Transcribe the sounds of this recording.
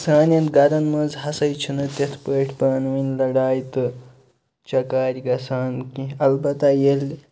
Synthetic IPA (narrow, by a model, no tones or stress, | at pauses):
saːnɐnt̪ɡɐɾɐnmɐnzhɐsɐjt͡ʃʰinɨt̪et̪ʰpəːʈʰpaːnʋinlɐɽaːjt̪ɨ | t͡ʃɐkaːɾiɡɐsaːnkiɐlbɐt̪ɐjelʲ